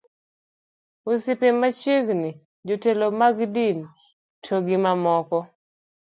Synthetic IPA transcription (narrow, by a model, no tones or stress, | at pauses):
osɪpemat͡ʃiɡni | d͡ʒotelomaɡdin | tʰoɡɪmamɔkɔ